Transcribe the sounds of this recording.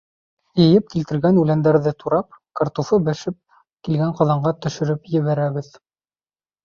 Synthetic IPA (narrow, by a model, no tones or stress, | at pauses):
jɤ̆jɘp̚kilt̪ɘ̆ɾɡænʉlænd̪æɾðɘt̪uɾɑp̚kɑɾt̪ufɤbæʃɘp̚ | kilɡæɴqɑðɑɴɢɑt̪ɵ̆ʃɵ̆ɾɘpjɘ̆βæɾæβɘð